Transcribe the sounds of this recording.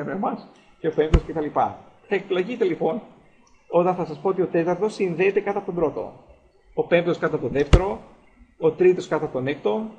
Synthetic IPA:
ɐemɐs | ce̞o̞pe̞mpt̪oscet̪ɐlipɐ | θɐek̪̚ilɐʝit̪e̞lipo̞n | o̞t̪ɐnθɐsɐspoot̪io̞t̪e̞t̪ɐɾt̪o̞sinðe̞ːt̪e̞kɐt̪ɐpot̪obɾo̞t̪o̞̰ | ope̞mpt̪oskɐt̪ɐpt̪oðeft̪e̞ɾo̞ | ot̪ɾit̪o̞skɐt̪ɐt̪onek̚t̪o̞

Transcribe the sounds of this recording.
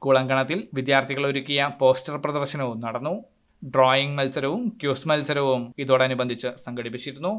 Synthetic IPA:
kuːɭɐŋɡɐɳɐt̪ːilʋid̪jaːrt̪ʰiɣɐɭo̞ɾukʲːijɐpo̞ːstɐrprɐðɐrɕɐnɐʋumnɐɽɐnːu | ɖroːjiŋɡmɐlsɐɾɐʋumkjuːsmɐlsɐɾɐʋumiðoːɽeɐnubɐnd̪ʱit͡ɕːɨsɐŋɡʱɐɽipːit͡ɕːiɾunːu

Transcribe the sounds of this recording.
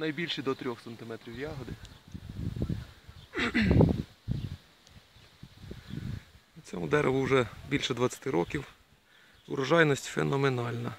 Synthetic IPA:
nɐjbʲilʲʃid̪ɔt̪ɾʲɔxsɐnt̪ɪmɛt̪ɾʲiwjɑɦɔd̪ɪ | ut͡sʲɔmʊd̪ɛɾeʋʊwʒɛbʲilʲʃɛd̪ʋɐt͡sʲːɐ̥t̪ɪɾɔkʲiw | ʊɾɐʒɑjnɔsʲtʲfḛnɔmenɑlʲnɐ

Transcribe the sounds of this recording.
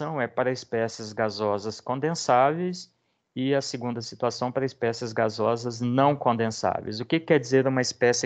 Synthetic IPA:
ɐ̃w̃ɛpaɾɐɪspɛsɪzɡazɔzɐskõnd̪ẽsavejs | ɪɐseɡũnd̪ɐsit̪uasɐ̃w̃paɾɐɪspɛsɪzɡazɔzɐznɐ̃w̃kõnd̪ẽsa̰vḛjzʊkɪkːɛɾd͡ʒizeɾũmɐɪspɛsɪ

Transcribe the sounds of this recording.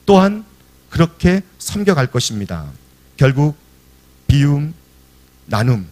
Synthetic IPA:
t͈oɦan | kɯɾʌkʰe̞sʰʌmɡjʌɣaɭk͈ʌɕʰimɲida̰ | kjʌɭɡuk̚ | pium | nanɯm

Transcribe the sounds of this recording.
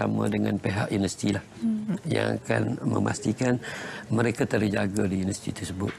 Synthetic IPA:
a̰mədəŋanpeɦa̰ʔinəst̪ilahja̰ŋa̰ka̰nmə̰ma̰st̪ikanməɾekat̪ərd͡ʒaɡadiinəsi̥t̪it̪ərsəbʊt̪̚

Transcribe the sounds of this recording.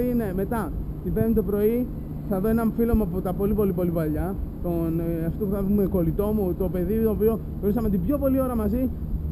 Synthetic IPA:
ine̞me̞t̪ɐt̪ibe̞ɾnit̪opɾo̞i | θɐðo̞e̞nɐɱfilomopot̪ɐpo̞lipo̞lipo̞lipɐʎɐt̪onɐft̪o̞puθɐðume̞ko̞lit̪o̞mut̪o̞pe̞ðit̪oopio | ɾisɐmeot̪ibʝo̞po̞lio̞ɾɐmɐzi

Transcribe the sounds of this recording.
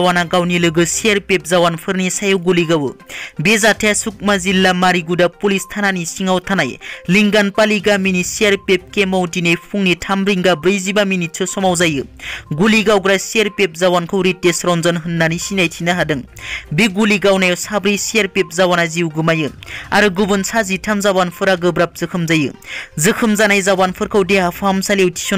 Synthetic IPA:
wanaɡawnilɯɡɯsiaɾpep̚zawanpʰɯɾnisajɯwɡuliɡawɯbezatʰesuk̚mazilːamaɾiɡudapulistʰananisiŋawtʰanajliŋɡanpaliɡaminisiaɾpep̚kemawtinejpʰuŋnitʰamɾiŋɡabɾijzibaminit̚sʰɯsɔmawzajɯɡuliɡawɡɾajsieɾpep̚zawankʰɯwɾitːesɾɔnzɔnɦɯnːanisinajtʰinɯɦadɯŋbiɡuliɡawnajsabɾɯjsiaɾpep̚zawanajziuwɡɯmajɯaɾɯɡubɯnsazitʰamzawanpʰɯɾaɡɯbɾap̚z̥ɯkʰɯmzajɯ̰zɯkʰɯmzanajzawanpʰɯɾkʰɯwdeapʰamsalewtʰi̥sɔn

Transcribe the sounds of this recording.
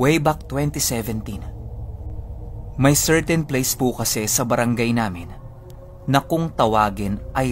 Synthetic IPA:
wejbak̚t̪wɛnt̪isɛvɛnt̪in | mɐjsɛɹt̪ɛnplejspukɐsɛsɐbɐɾʔɐŋɡajnaːmɪnː | ɐkʊŋt̪ɐwaːɡɪnʔɐj

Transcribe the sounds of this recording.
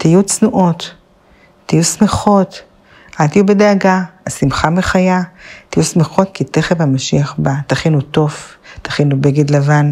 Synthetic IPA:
t̪ijut͡snuʔo̞t̪ː | ijusmeχo̞t̪ | ʔalt̪ijubedeaɡaasimχameχajat̪ijusmeχo̞t̚kit̪eχevhamaʃiaχbat̪aχinuto̞vt̪aχinubeɡedlavan

